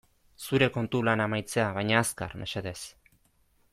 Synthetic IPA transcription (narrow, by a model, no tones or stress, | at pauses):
suɾe̞ko̞nt̪ulanamajt͡se̞aβajɲaːska̰ɾme̞̰seðe̞s